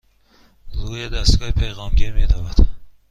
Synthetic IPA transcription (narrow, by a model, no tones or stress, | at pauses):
ɾuːjed̪æst̪ɡɒːhepʰejɣɒːmɟeɾmed̪ævæd̪